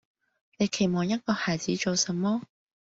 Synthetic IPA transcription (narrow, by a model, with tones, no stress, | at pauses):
ne˨˧jkʰe˨˩jmɔː˨ŋjɐ˥t̚kɔː˧haː˨jt͡siː˨˥t͡ʃo˨˧wsɐ˨˧mːɔː˥